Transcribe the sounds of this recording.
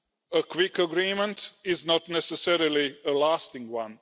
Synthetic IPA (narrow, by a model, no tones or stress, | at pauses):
əkʰwɪkəɡɹĩːmə̃ntɪznətⁿnɛsəsɛɹəliəlastɪ̃ŋwʌ̃n